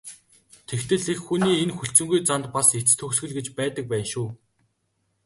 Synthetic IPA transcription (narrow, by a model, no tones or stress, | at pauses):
t̪ʰekt̪ʰɘ̆ɮexxuniːenxɵɬt͡sɵ̆ŋɡujt͡sant̪paset͡st̪ʰɵksɡɘ̆ɮɡet͡ɕpæːt̪ə̆k̚pæːnʃuː